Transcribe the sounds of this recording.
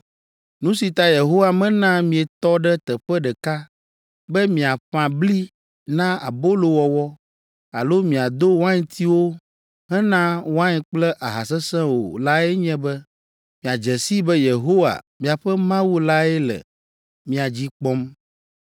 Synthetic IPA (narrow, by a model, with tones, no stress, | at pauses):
nũ˦si˨t̪a˦je˨ɦo˦wa˨mɛ̃˦nã˦mĩ˨ɛ˨t̪ɔ˦ɖɛ˦t̪ɛ˨ɸɛ˦ɖɛ˨ka˦ | bɛ˦mĩ˨a˨ɸã˨bli˦ | nã˦a̰˨bo˦lo˨wɔ˨wɔ˦ | a˨lo˦mĩ˨a˨d̪o˦wã˦ɲɛ̃˦t̪ʰi˦wo˦ | ɦɛ˦nã˦wã˦ɲɛ̃˨k͡plɛ˦ʔa˨ɦa˨sɛ˦sɛ̃˦wo̰˨la˦ɛ˦ɲɛ̃˦bɛ˦ | mĩ˨a˨d͡ʒɛ˨si˦bɛ˦je˨ɦo˦wa̰˨mĩ˨a˨ɸɛ˦mã˦wu˦la˦ɛ˦lɛ̰˨ | mĩ˨a˨d͡ʑi˦k͡pɔ˦m